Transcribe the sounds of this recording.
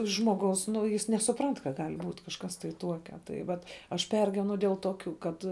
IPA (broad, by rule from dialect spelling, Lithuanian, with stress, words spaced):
ʒmoːˈɡɐʊs ˈnʊ jɪs nʲɛsʊˈprɐnt kɐ ˈɡɐlʲ ˈbuːtʲ kɐʃˈkɐs tɐɪ ˈtuɔkʲɛ ˈtɐɪ ˈʋɐt ɐʃ ˈpʲɛrʲɡʲiːʋʲɛnʊ dʲeːlˠ toːˈkʲuː kɐt